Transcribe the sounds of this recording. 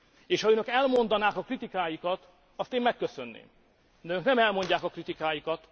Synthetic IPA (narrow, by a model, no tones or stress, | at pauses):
eːʃhɒøːnø̞kɛlmo̞nd̪ɒnaːkɒkrit̪ikaːjikɒt̪ | ɒst̪eːmmɛkːøsø̞nːḛːm | d̪ɛønøknɛmɛlmo̞ɲɟaːkɒkrit̪ikaːjikɒt̪